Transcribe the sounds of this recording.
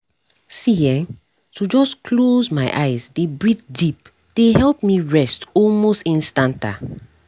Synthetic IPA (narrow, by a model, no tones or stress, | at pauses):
siɛ̃ | tud͡ʒɔskʰlozmaɪʔaɪzdebɹitdip̚ | d̥ehɛlp̚miɹɛstɔlmostĩnstãnta̰